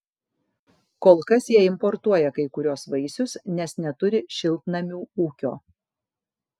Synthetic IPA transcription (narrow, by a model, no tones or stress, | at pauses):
koːlˠkɐsjiɛɪmpɔɾt̪uɔjɛkɐɪkʊɾʲuːsʋɐɪsʲʊsnʲɛsnʲɛt̪ʊɾʲɪʃʲɪlˠt̪nɐmʲuːuːkʲo̰ː